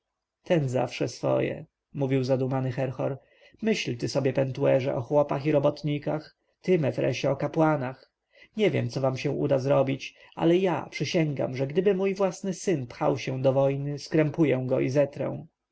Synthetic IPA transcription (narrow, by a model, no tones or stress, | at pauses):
t̪ɛnza̰fʂɛsfɔ̰jɛ̰ | muvʲiwzad̪umanɘxɛɾxɔɾ | mɘɕlt̪ɘsɔbʲjɛpɛnt̪uɛʐɛ̰ʔɔxwɔpaxiɾɔbɔt̪ɲikax | t̪ɘmɛvɾɛ̰ɕt͡ɕɛɔkapwanax | ɲɛvʲjɛ̰mt̪sɔvamɕɛ̃ʔud̪azɾɔbʲit͡ɕ | a̰lɛja̰pʂɘɕɛŋɡa̰mʐɛɡd̪ɘbɘmujvwasnɘsɘnpxa̰wɕɛw̃d̪ɔvɔjnɘskɾɛmpujɛw̃ɡɔizɛt̪ɾɛ̰̃w̃